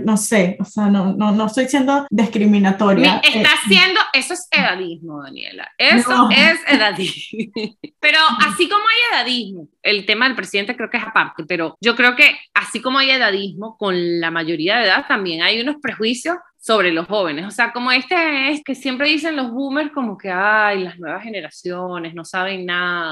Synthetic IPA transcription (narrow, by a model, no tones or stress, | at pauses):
no̞se̞oseanononoest̪o̞jsje̞nd̪oðeskɾimĩnat̪o̞ɾjmiest̪asje̞nd̪o̞ʔe̞soese̞ðaðizmo̞ðanjḛla̰esoeseðaði | pe̞ɾo̞asiko̞mo̞aje̞ðaðizmo̞elt̪e̞maðe̞lpɾe̞siðent̪ekɾeo̞kee̞sapaɾt̪e̞pe̞ɾo̞d͡ʒo̞kɾeoke̞asiko̞moaje̞ðaðizmo̞ko̞nlamaʝo̞ɾiaðeðaðt̪ambje̞ŋajuno̞spɾe̞xwisjo̞sːo̞βɾe̞lo̞sxo̞β̞e̞ne̞so̞se̞ako̞mo̞e̞st̪eeske̞sje̞mpɾe̞ðis̬e̞nlo̞zβume̞ɾsko̞mo̞ke̞ajlaznwe̞βasxe̞ne̞ɾasjone̞sno̞saβ̞e̞ŋnaða